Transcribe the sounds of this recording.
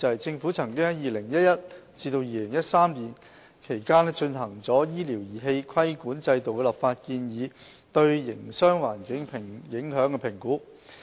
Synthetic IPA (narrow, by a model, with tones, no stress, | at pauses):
t͡sɐ˨jt͡sɪ˧ŋfu˨˥t͡sʰɐ˨˩ŋkɪ˥ŋ˥jiː˨lɪ˨˩ŋjɐ˥t̚jɐ˥t̚t͡siː˧t̪o˧wjiː˨˧lɪ˨˩ŋjɐ˥t̚saː˥mliː˨˩n | kʰe˨˩jkaː˥nɛ˥t͡ʃɵ˧nɦɐ˨˩ŋt͡sɔː˨˥jiː˥li˨˩wjiː˨˩ɦe˧jkʰɐ˥jkuː˨˥nt͡sɐ˧jt̪o˨wkɛ˧lɐ˨˩p̚faː˧t̚kiː˧njiː˨˧ | t̪ɵ˧ɥjɪ˨˩ŋsœː˥ŋwaː˨˩nkɪ˨˥ŋpʰɪ˨˩ŋjɪ˨˥ŋɦœː˨˥ŋkɛ˧pʰɪ˨˩ŋkuː˨˥